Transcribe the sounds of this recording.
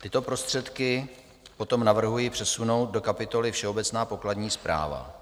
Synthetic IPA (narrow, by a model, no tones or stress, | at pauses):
t̪ɪt̪o̞pɾost̪r̥ɛt̪kɪ | po̞t̪o̞mnavr̩ɦujipr̝̥ɛsuno̞wt̪̚do̞kapɪt̪o̞lɪfʃɛo̞bɛt͡snaːpo̞kladɲiːspɾa̰ːva̰